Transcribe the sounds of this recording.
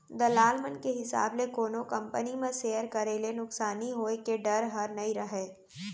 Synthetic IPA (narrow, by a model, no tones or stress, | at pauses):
d̪ɐlaːlmənkeɦɪsa̰ːblekoːnõkɐ̃mpənimẽseːjəɾkɐɾelenʊksaːniɦoːekeɖɐɾɦɐɾnɐiɾɐɦeː